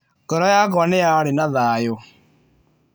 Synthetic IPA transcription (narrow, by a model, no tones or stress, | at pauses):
kɔɾɔjak̬ɔnɛjaɾenaðaːjɔ